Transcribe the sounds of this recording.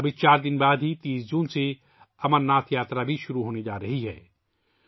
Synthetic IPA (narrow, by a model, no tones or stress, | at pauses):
ɐbɪt͡ʃaːɾd̪ɪnbaːd̪ɦit̪ĩːsd͡ʒũːnse | ɐmənːaːt̪ʰjaːt̪ɾabʱiʃʊɾuɦoːned͡ʒaːɾɐɦiɦɛ̰ː